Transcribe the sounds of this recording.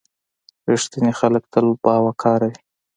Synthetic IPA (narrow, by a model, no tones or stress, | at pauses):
ɾiʂt̪inexalək̚t̪albɑwakʰɑɾawi